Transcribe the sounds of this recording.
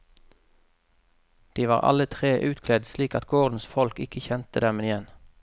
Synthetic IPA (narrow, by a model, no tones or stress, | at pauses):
d̪̥iːʋɑ̰ːʁʔɑ̰lət̪ʰʁeːʔʉːt̪kʰlɛd̪sliːkɑ̰t̪ɡoːʁd̪n̩sfɔlkɪkəçɛnt̪əd̪ɛmɪjɛn